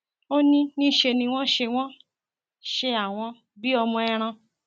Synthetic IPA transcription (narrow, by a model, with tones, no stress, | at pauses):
o˦nĩ˦nĩ˦ʃe˧nĩ˧w̃ɔ̃˦ʃe˧w̃ɔ̃˦ | ʃe˧a˨w̃ɔ̃˧ | bi˦ɔ˧mɔ̃˧ɛ˧ɾ̃ã˧